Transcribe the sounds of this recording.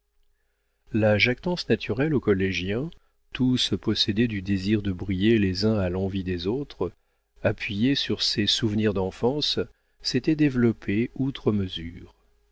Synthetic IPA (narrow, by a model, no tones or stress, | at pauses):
laʒakt̪ɑ̃snat̪ʰyʁɛlokɔleʒjɛ̃ | t̪ʰuspɔsɛd̪ɛd̪yd̪eziʁd̪əbʁijelezɛ̃alɑ̃vid̪ezot̪χ | apʰɥijesyʁsesuvniʁd̪ɑ̃fɑ̃sː | et̪ɛd̪evlɔpʰeut̪χəməzyːʁ